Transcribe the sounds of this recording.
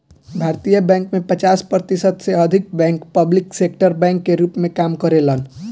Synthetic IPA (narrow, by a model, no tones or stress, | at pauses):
bʱaːɾt̪ijəbɛ̃ːŋkmẽpət͡ʃaːspɾət̪isəd̪seəd̪ʱɪk̚bɛ̃ːŋkpəblɪksek̚ʈəɾbɛ̃ŋkːeɾuːpmẽkaːmkəɾelən